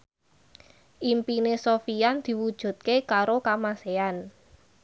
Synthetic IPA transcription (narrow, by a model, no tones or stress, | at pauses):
ʔimpinesofiand̪̥i̤wud̥ʒ̥ṳt̪̚kekaɾokamasean